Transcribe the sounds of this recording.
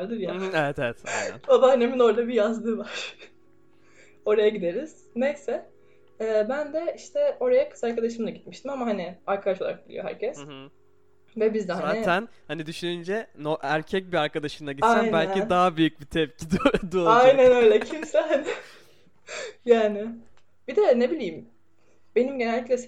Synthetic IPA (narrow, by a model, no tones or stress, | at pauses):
ɾd̪ɯɾjaɛvɛt̪ɛɛt̪ʰjnæ̰nabanemino̞ɾd̪abijazd̪ɯːvaɾ̥ | o̞ɾajaɟid̪e̞ɾiz̥ | nɛsɛː | bænd̪ɛiʃt̪ʰɛo̞ɾajakʰɯ̥saɾkad̪aʃɯmd̪aɟit̪miʃt̪ʰimamaɦaniaɾkʰad̪aʃo̞lˠa̰ɾak̚bilʲḭjo̞ɦæ̰ɾcʰɛs | vɛbizd̪ɛaænhanid̪yʃynynd͡ʒɛnoʔæɾcʰɛc̚biaɾkad̪aʃɯmd̪ˠaɟitajnbælʲid̪aɦabyjyc̚bit̪ʰɛp̚cʰid̪id̪uoajjnænø̞jlʲɛcʰimsɛn | jaːnɪ | b̥id̪ɛnebilʲijːm | be̞nimɟenælʲːiclʲɛs